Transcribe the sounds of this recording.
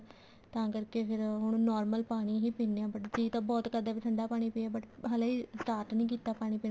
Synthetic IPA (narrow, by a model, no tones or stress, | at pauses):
t̪ãːkəɾkeːpʰɪɾɦʊɽ̃ũnɔːɾməlpaːɽ̃iːɦiːpiːnːeãːbəʈd͡ʒiːt̪ãːbɔːt̪kəd̪aːpəsʰə̃nd̪aːpaːɽ̃iːpiːaːbəʈɦəlãːiːsʈaːɾʈnĩːk̬iːt̪aːpaːɽ̃iːpiːn